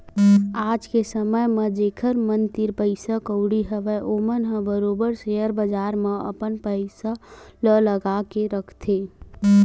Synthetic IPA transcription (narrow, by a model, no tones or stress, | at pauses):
aːd͡ʒkesəməjmẽd͡ʒeːkʰəɾmənt̪iɾpəɪsakəʊɽiɦəʋɛʔomənɦə̃bəɾoːbəɾseəɾbəd͡ʒaːɾmẽə̰pənpəɪsalələɡakeɾəkʰt̪ʰe